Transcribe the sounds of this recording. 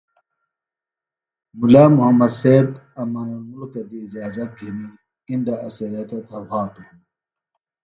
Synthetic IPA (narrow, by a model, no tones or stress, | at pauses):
mulamuɦɐmːɐd̪seːd̪ɐmɐnɐnmulkɐd̪iːd͡ʑaːzɐt̪̚ɡʱini | ind̪aʔɐsɐlɐt̪ɐt̪ʰɐhaːt̪uhun